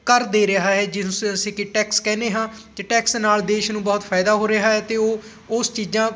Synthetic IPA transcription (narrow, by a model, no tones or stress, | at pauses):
kəɾd̪eːɾɪɦaːɦɛːd͡ʒɪsəsĩːkɪʈɛːkskɛːneːɦãːt̪eːʈɛːksnaːld̪eːʃnũːbɔːt̪pʰaːɪd̪aːɦoːɾɪɦaːɦɛːt̪eːoː | ʊst͡ʃiːd͡ʒãː